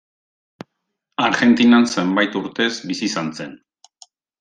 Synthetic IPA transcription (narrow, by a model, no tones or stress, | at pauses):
aɾɣe̞nt̪inanse̞mbajt̪uɾt̪e̞zbisisanse̞n